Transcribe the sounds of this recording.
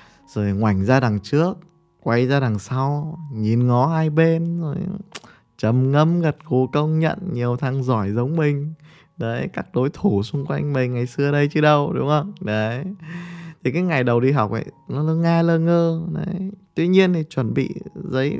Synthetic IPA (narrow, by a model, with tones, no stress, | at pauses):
z̥o˨˩jŋwa˧˩jŋ̟zaː˧ɗa˨˩ŋt͡ɕɨ˦˥ək̚ː | wa˧˩jzaː˧ɗa˨˩ŋsa˧wɲi˨˩nŋɔ˨˦haː˧jɓe˧nzo˨˩j | t͡ɕə˨˩mŋə˧mɣə˨˩t̚ku˨˩kə˧wŋ͡mɲə̰˧˨nɲi˨˩əwt̪ʰaː˧ŋzɔ˧˩jzə˨˦wŋ͡mmï˨˩ŋ̟ | ɗə˨˦jkaː˦˥k̚ɗo˨˦jt̪ʰu˧˩sʊ˧ŋ͡mkwa˧jŋ̟mï˨˩ŋŋa˨˩jsɨ˧ə˨ɗə˧jt͡ɕɨ˧ɗə˧wɗʊ̰˨˦ŋ͡mhə˧nə˨˦j | t̪ʰi˨˩kaː˨˦jŋa˨˩jɗə˨˩wɗi˧ɦa˨˩wk͡p̚ʔə̰˧˩jnɔ˨˦lə˧˨˦ŋaː˧ləː˧ŋəː˧nə̰˨˦jt̪wi˧ɲi˧ənt̪ʰi˨˩t͡ɕwə˨˩nɓḭ˧˨zə̰˧˥j